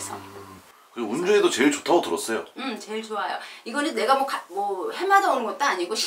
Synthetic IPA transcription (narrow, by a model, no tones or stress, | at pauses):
s͈ʰʌ | kɯɾɡemund͡ʑoedot͡ɕeiɭt͡ɕotʰaɡotɯɾʌs͈ʌjo̰ɯmt͡ɕe̞ɭt͡ɕoajo̰iɡʌnɯnːe̞ɡamwʌkamwʌhemadʌunɯnɡʌt̚t͈oaɲiɡoɕʰ